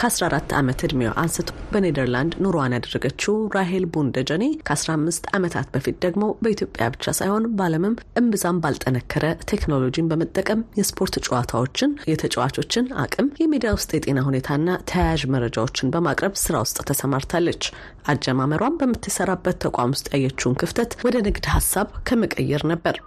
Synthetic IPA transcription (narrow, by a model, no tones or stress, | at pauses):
kʰəasɾaɾat̪ːa̰mət̪ɨd̪mew̰ʔansɨt̪ʰubəned̪əɾland̪nuɾowanjad̪ərːəɡət͡ʃːuɾaɦe̞lbund̪əd͡ʒəne̞kʰəasɾahmːɨst̪amət̪ʰa̰t̪bəfit̪̚d̪əɡmo̞bəit̪ʰjo̞pʼja̰bɨt͡ʃːa̰sajho̞nbaləmɨmʔɨmbɨzambalt̪ʼənəkʰːəɾʔət̪ʰe̞knolo̞d͡ʒinbəmət̪ʼːəkʼəmjɛspʰo̞ɾt̪t͡ʃʼwat̪ʰawo̞t͡ʃːɪnjɛt̪ʰət͡ʃʼəwa̰t͡ʃo̞t͡ʃːɪna̰kʼɨmjɛmid̪ijawʊst̪ʼjɛt̪ʼe̞naɦune̞t̪ʰaɨnːat̪ʰəjajaʒməɾːəd͡ʒa̰wo̞t͡ʃːɪnbəmakʼɾəβsɨɾa̰wʊst̪ʼt̪ʰəsəmaɾt̪ʰalːət͡ʃː | ʔad͡ʒɛmaməɾwambəmːɨt̪ʰːɨsəɾabːət̪ʰːəkʷʼa̰mʊst̪ʼjajːɛt͡ʃːunkʰɨft̪ʰət̪wɔd̪ənɨɡd̪hasːaβkʰəmɨkʼə̰jːɛɾnəbːəɾ